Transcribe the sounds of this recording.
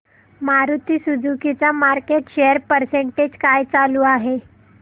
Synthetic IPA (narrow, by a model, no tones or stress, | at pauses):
maɾut̪iːsud͡zʱukit͡samaɾkeʈɕejəɾpəɾseɳʈed͡ʑkajt͡saluːaɦe